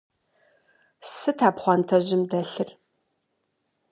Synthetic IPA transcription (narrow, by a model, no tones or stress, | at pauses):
sɨtʰaːpχʷɑntʰɐʑɪmdɐɬɨr